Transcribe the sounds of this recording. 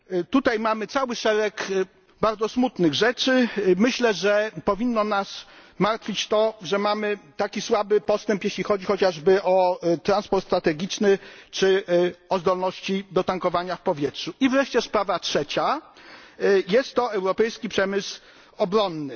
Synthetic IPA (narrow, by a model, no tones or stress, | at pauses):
t̪ut̪ajmamɘt̪sawɘʂɛɾɛk | baɾd̪zɔsmut̪nɘɣʐɛt͡ʂɘmɘɕlɛʐɛpɔvʲinːɔnasmaɾt̪fʲit͡ɕt̪ɔʐɛmamɘt̪akʲiswabɘpɔst̪ɛmpjeɕlʲixɔd͡ʑixɔt͡ɕaʐbɘʔɔt̪ɾanspɔɾt̪st̪ɾat̪ɛɡʲit͡ʂnɘt͡ʂɘɔzd̪ɔlnɔɕt͡ɕid̪ɔt̪aŋkɔvaɲafpɔvʲjɛtʂuivɾɛʂt͡ɕɛspɾavatʂɛt͡ɕa | jɛst̪ːɔɛwɾɔpɛjskʲipʂɛmɘs | ɔbɾɔnːɘ